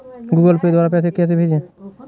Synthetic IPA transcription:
ɡuɡəlped̪waːɾapɛːs̬ekɛs̬ebʱed͡ʒɛ̃

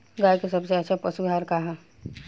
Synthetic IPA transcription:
ɡaːjkesɐbseɛt͡ʃʰapɐsuaːɾkaɦã

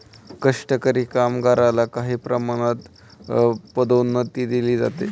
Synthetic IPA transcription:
kəʂʈəkəɾiːkamɡaɾalakaɦiːpɾəmaɽ̃at̪ | pəd̪onːət̪iːd̪iliːd͡za̰t̪ḛ

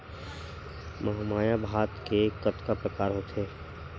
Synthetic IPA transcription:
mɐɦamaːjabʱaːt̪kekət̪kapɾəkaːɾɦoːt̪ʰeː

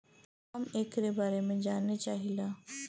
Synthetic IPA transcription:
amekɾebaɾemẽd͡ʑanet͡ɕaɦila

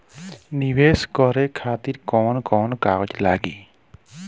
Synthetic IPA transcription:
nibeskɔɾɛkʰat̪iɾkɔnkɔnkaɔd͡ʒlaɡḭ

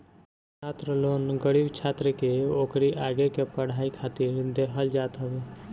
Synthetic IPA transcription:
t͡ʃʰaːt̪ɾəloːnɡəɽiːbt͡ʃʰaːt̪ɾəkeoːkɾiʔaːɡekepəɽ̤aːikʰaːt̪iɾd̪eːkʰəld͡ʒaːt̪ɦəʋeː

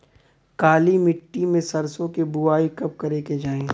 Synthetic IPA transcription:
kaːlimɪʈːimẽsɐɾsõkebʊaːikɐp̚kɐɾeked͡ʒaːẽː

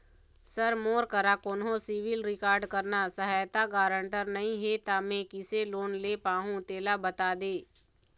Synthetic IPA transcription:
səɾmoːɾkəɾakoːnɦõsɪʋɪlɾɪkaːɾɖkəɾnasəɦaːjt̪aɡaːɾə̃ɳʈəɾnəɦĩɦet̪amẽkɪseloːnleːpaːɦũt̪eːlabət̪aːd̪eː

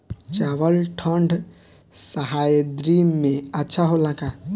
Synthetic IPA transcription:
t͡ʃaʋəlʈʰəɳɖʱ | səɦajd̪ɾimẽətːʃʰaɦolaka

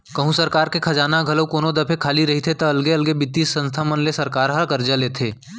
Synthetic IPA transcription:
kɐɦũsɐɾkaːɾkekʰɐd͡ʒaːnaɡʱɐləkoːnod̪ɐpʰekʰaːliɾɐɦit̪ʰet̪ɐɐlɡeɐlɡebɪt̪isə̃nst̪ʰamɐnlesɐɾkaːɾɦɐkɐɾd͡ʒaleːt̪ʰeː

